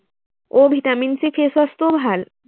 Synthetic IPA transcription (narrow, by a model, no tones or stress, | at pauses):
obʱiʈ̪aminsifʰesast̪obʱal